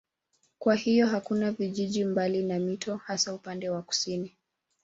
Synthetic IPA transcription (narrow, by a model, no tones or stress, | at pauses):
kwahijɔɦakunaviʄiʄimbalinamitɔhasaupandɛwaku̥sini